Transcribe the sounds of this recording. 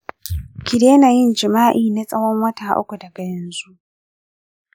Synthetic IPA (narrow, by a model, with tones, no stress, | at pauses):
kʰi˨ɾe˦na˨ji˦n˨d͡ʒi˨maː˦ʔiː˦˨nɛ˦t͡sʼɐ˦wɔ˦ŋwa˦tʰa˨ʔo̰˦kɔ˨da˨ba˨n˨zu˦